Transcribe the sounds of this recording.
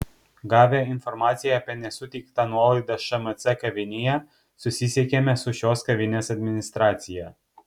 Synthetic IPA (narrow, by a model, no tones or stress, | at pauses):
ɡaveinformat̪sijapenesut̪ikt̪analid̪əʃəmət̪sakəvinija | susisʲekʲemʲesuʃoskəvinʲesad̪minist̪ɾat̪sija